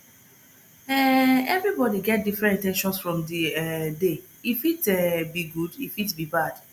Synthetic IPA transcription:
ɛɛvɹibɔdiɡɛt̚difɹɛ̃ntĩntɛ̃nʃɔ̃nsfɹɔ̃mdiɛde | ifitɛbiɡudifitbibad̥

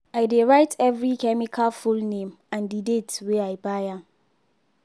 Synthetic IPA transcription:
aɪdeɹaɪtʰɛvɹikɛmikʰalfulnẽm | ãndidetweaɪbaja

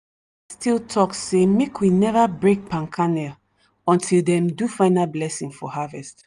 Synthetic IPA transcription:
stʰilˠtʰɔksemekwinɛvabɹek̚pʰãnkʰanɛl | ɔ̃ntʰilˠdɛ̃mdufaɪ̃nalblɛsĩŋfɔhavɛst

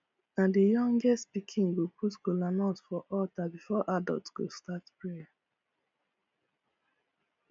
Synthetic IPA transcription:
nadijɔ̃ŋɡɛstpikʰĩŋɡopʰutkolanɔtfɔʔɔtabifɔʔadɔ̰ltɡo̰statpɹe

